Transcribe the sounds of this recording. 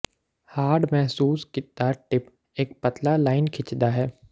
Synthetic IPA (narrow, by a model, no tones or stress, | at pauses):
haːɾɖmɛɦsuːskɪt̪̚ːaʈɪp | eːk̚pət̪lalaːɪnkʰɪt͡ʃd̪aɦɛː